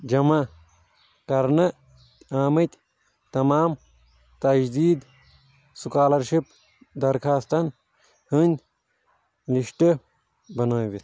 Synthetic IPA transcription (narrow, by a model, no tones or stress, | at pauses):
d͡ʒɐma | kɐɾnɐ | aːmɐt̪ʲ | t̪ɐmaːm | t̪ɐd͡ʒd̪iːd̪ | sukaːlɐɾʃip | d̪ɐɾkʰaːst̪ɐn | hɨnʲ | liʂʈɨ | bɐnoːbit̪